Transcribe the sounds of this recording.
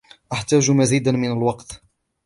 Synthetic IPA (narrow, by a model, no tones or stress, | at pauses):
ʔaħt̪æːʒmaziːd̪anmɪnalwɑqt̪